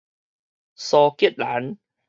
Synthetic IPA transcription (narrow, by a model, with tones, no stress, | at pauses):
sɔː˧ki˦˥ət̪̚laː˨˩˦n